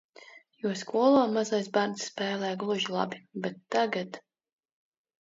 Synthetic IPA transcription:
juɔskuɔlˠaːmazajsbaɾnsːpɛːlˠɛːjɡlˠuʒilˠa̰bibɛt̪ːaɡat̪

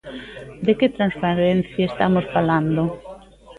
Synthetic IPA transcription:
d̪eket̪ɾanspaɾen̟θjaest̪amosfaland̪o

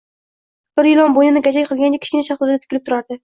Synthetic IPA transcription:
b̥ɪɾjɪlɒnbojnɪnɪɡʲad͡ʒakʲqʰɨlˠɡʲant͡ʃʰakʲʰɪ̥ʃkʲɪnaʃɑχt̪ˠɪɾd̪at̪ʰɪ̥lɪp̚t̪ʊɾaɾd̪ɪ

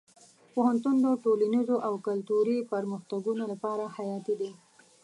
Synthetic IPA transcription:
pohant̪und̪əʈolanizoʔawkalt̪uɾipaɾməxt̪aɡunolapɑɾahajɑt̪id̪i

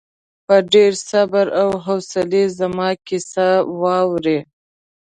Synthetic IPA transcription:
pəɖeɾsabaɾawɦawsalezamɑkɪsawɑwɾe

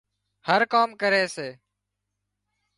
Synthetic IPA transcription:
həɾkaːmkəɾeːseː

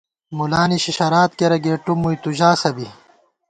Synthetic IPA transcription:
mulaːniɕiɕɐɾaːt̪̚keɾɐɡeːʈumujt̪uʑaːsɐbi

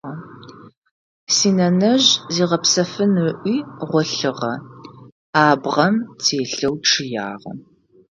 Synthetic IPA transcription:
ɐ | siːnɐnɐʑziːʁɐpsɐfɨnʔʷiːʁʷɔɬɨʁɐ̰ | aːbʁɐmtʰeːɬɐwʈ͡ʂʰɨja̰ːʁɐ̰

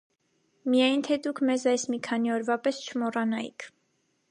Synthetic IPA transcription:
mijɑjnt̪ʰɛd̪ukʰmɛzɑjsmikʰɑniɔɾvɑpɛst͡ʃʰəmɔrɑnɑḭkʰ

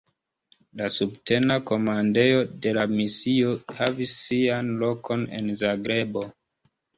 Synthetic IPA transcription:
lasubte̞nako̞mande̞o̞de̞lamisio̞havisːianlo̞kʰo̞ne̞̰nzaɡɾe̞bo̞

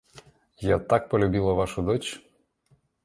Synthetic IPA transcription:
jat̪ak̚pɔlʲʊbʲilˠɐʋaʃʊd̪ɔt͡ʃ

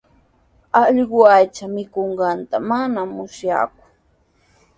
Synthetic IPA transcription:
ɑʎɢʊajt͡ʃamɪkoɴɢɑnt̪amanamʊsja̰k̚ʊ̥

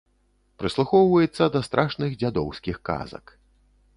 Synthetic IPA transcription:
pɾɨslˠuxɔwvɐjɛt̪sːɐd̪ɐst̪ɾʔaʂnɨɣd͡zʲad̪ɔwsʲkʲixka̰zɐ̰k

